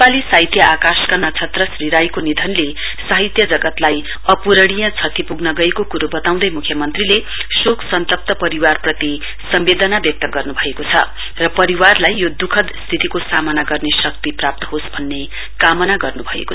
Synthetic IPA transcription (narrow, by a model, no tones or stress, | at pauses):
alisaɦit̪jʌʔakaskanʌt͡sʰʌt̪rʌsriɾajkonid̪ʱʌnle | saɦit̪jʌd͡zʌɡʌt̪laj | ʌpuɾʌɽ̃ijʌ̃t͡sʰʌt̪ʰipuɡnʌɡʌekokuɾubʌt̪aw̃d̪ʌjmukʰjʌmʌnt̪rile | soksʌnt̪ʌp̚t̪ʌpʌɾiwarprʌt̪i | sʌmbed̪ʌnabjʌk̚t̪ʌɡʌrnubʱʌekot͡sʰʌ̰ | rʌpʌɾiwarlajːod̪ukʰʌd̪st̪ʰit̪ikosamʌnaɡʌrnesʌk̚t̪iprap̚t̪ʌ̥ɦosbʱʌnːe | kamʌnaɡʌrnubʱʌḛko